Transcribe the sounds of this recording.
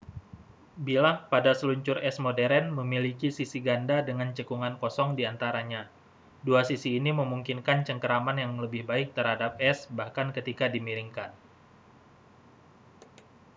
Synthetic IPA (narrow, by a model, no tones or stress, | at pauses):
bilahpadasəluɲt͡ʃʊrɛsmodɛɾɛnməmilikisisiɡandadəŋant͡ʃəkuŋankɔsɔŋdiant̪aɾaɲa | duasisiːniməmuŋkinkant͡ʃəŋkəɾamanjaŋləbɪhbaɪk̚t̪əɾhadap̚ɛsbahkankət̪ikadimiɾiŋkan